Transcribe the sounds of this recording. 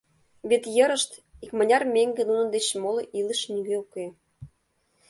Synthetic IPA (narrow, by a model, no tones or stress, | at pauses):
βet̪jə̆ɾə̆ʃt̪ | ikmə̆nʲɑrmeŋɡenunɤ̆nd̪et͡ɕmoloʔilə̆ʃnyɡeuke